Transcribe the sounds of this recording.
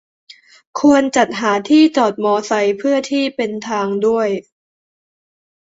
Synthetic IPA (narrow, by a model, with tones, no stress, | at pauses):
kʰu˧ənt͡ɕa˨˩t̪̚ɦaː˩˦t̪ʰiː˥˩t͡ɕɔː˨˩t̪̚mɔː˧sa˧jpʰɯ˥˩ɐət̪ʰiː˥˩pe˧nt̪ʰaː˧ŋdu˥˩əj